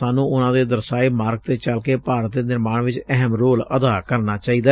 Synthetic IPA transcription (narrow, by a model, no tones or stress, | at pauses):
aːnũːʊnãːd̪eːd̪əɾsaːiːmaːɾɡ̚t̪eːt͡ʃəlkeːpaːɾət̪̚d̪eːnɪɾmaːɳʋɪt͡ʃɛɦəmɾoːləd̪aːkəɾnaːt͡ʃaːiːd̪aː